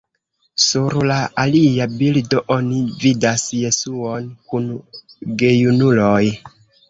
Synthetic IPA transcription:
suɾlaaliabildoʔo̞nividasje̞suonkunɡe̞junuloj

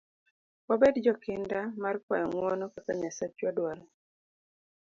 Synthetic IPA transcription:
wabedd͡ʒɔkɪndamarkwajɔŋwɔnɔkakaɲasat͡ʃwadwalɔ

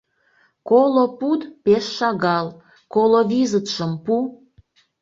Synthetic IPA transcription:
kolopud̪peʃːɑɣɑl | koloβizət̪ʃəmpu

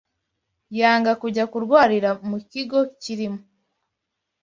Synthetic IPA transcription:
jaːŋɡakuɟakuɾɡwaːɾiɾamuciɡo̞ciɾimu

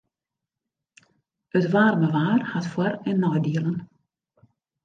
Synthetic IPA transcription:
ətʋaːrməʋaːrhatfwɔɾɛnːɔjdiələn

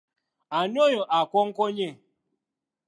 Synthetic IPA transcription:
anɪoɲoʔakʷɔŋ̩kʷoɲe

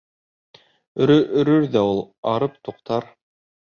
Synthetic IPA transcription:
ɵ̆ɾɵʔɵ̆ɾɵɾðæulˠ | ɑɾɤp̚t̪uqt̪ɑɾ

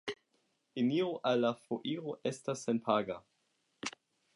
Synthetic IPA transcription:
iniʁoʔalːafoʔiʁoʔestasːenpʰaɡa

